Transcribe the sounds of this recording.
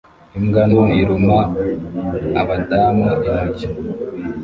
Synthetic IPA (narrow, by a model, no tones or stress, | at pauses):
imɡanuiɾuma | βadaːmaʔinaɟi